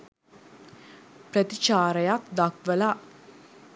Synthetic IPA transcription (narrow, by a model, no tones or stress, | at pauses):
pɾət̪it͡ʃaːɾɐjakd̪akʋəla